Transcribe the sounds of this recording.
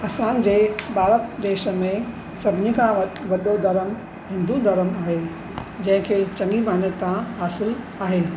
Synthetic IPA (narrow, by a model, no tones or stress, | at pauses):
ɐsãːnd͡ʑeːbʱaːɾət̪d̪eːʃə̆mẽ | sɐbʱɪnĩkʰãʋɐʋɐɗod̪ʱɐɾəm | ɦɪ̃nd̪ud̪ɐɾəmaːɦeː | d͡ʑɐ̃ɦɪ̃kʰeːt͡ɕɐ̃ŋɡimaːnət̪ãɦaːsɪl | aːɦeː